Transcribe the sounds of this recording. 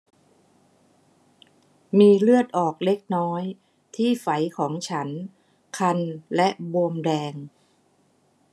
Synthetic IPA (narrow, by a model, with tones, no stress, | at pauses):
miː˧lɯ˥˩ət̪̚ʔɔː˨˩k̚le˦˥k̚nɔː˦˥j | t̪ʰiː˥˩fa˩˦jkʰɔː˩˦ŋt͡ɕʰa˦˥n | kʰa˧nlɛ˦˥ʔbo˧mdɛː˧ŋ